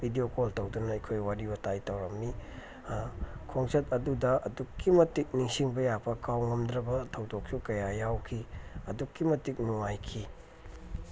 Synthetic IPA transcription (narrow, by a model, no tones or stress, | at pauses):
bʱidiokoltɐwdunɐɐjkʰojwaɾibɐtajtɐwɾɐmni | kʰoŋsɐtɐdudɐʔɐdukːimɐtik̚niŋsiŋbɐjapʰɐkʰawŋɐmd̪ɾɐbɐtʰɐwdok̚sukɐjajawkʰiɐdukːimɐtik̚nuŋajkʰi